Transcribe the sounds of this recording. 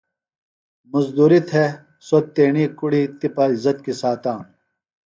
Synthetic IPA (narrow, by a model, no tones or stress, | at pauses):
mɐzd̪uːɾit̪ɦe | sot̪eːɳikuɽit̪ipaːizɐt̪kisaːt̪aːn